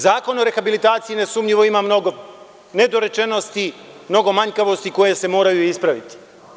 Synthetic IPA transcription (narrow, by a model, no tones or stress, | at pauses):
zaːko̞noɾe̞xabilit̪aːt̪sijine̞sumʎiʋo̞imamno̞ɡo | ne̞d̪o̞ɾe̞t͡ʃe̞no̞st̪i | mno̞ɡo̞maɲkaʋo̞st̪iko̞je̞se̞mo̞ːɾajuispɾaʋit̪i̥